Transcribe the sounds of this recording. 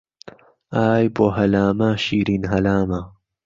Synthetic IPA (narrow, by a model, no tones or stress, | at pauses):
aːjboɦɐlaːmaːɕiːɾinɦɐlaːma